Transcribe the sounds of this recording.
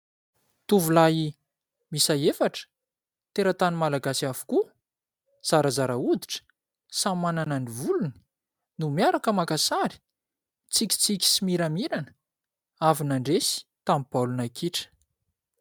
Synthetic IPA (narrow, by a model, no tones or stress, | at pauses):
t̪uvulai | misajefaʈ͡ʂə̥ | t̪eɾat̪animalaɡasafu̥ku | z̥aɾazaɾaud̪iʈ͡ʂə̥ | sammananaɳivuluni̥ | numjaɾakəmakasaɾi̥ | t͡sikʲi̥t͡sikʲi̥simiɾamiɾanə̥ | avinaɳɖ͡ʐesi̥t̪amipalunakʰiʈ͡ʂə̥